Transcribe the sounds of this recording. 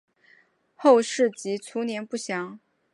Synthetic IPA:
xo˥˧ʊʂɻ̩˥˩t͡ɕi˧˥t͡sʰu˧˥njɛ˧˥npu˥˩ɕjɑ˧˥ŋ

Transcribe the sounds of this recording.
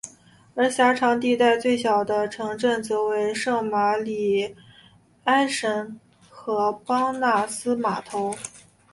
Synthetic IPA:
ə˞˧˥ɕja˧˥ʈ͡ʂʰɑ˧˥ŋt̪̬i˥˧t̪a˥˧ɪt͡swe˥˩ɪɕjɑ˨˩ʊd̪ə˦ʈ͡ʂʰɤ˧˥ŋʈ͡ʂə˥˩nt͡sɔ˥˩we˧˥ɪʂɤ˥˩ŋma˧˥li˨˩ | a˥ɪʂə˧˥n | xɤ˧˥pɑ˥ŋna˥˩sɹ̩˥ma˨˩t̪ʰo˧˥ʊ

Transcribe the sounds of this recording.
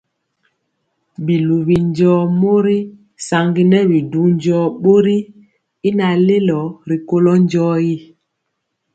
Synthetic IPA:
bi˨lu˨bi˨ɲd͡ʒɔː˦mo˦ɾi˦ | sa˨ŋɡi˦nɛ˦bi˨du˨˦ɲ˦d͡ʒɔː˦ɓo˦ɾi˦ | i˦na˨le˦lɔ˨˦ɾi˨ko˦lɔ˦ɲ˦d͡ʒɔː˦ji˦˨

